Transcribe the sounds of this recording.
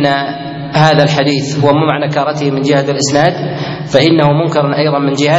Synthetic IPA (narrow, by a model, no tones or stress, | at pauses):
nːa | haːðalħad̪iːθhʊwmamaʕnakɑːɾˤɑt̪ɪhɪmɪnd͡ʒɪhat̪ɪlʔɪsnaːd̪ | faʔɪnːahʊmʊnkɪɾˤnʔajðˤɑnmɪnd͡ʒɪha